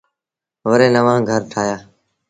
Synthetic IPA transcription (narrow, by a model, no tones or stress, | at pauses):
ʋəɾeːnəʋãːɡʱəɾʈʰaːjaː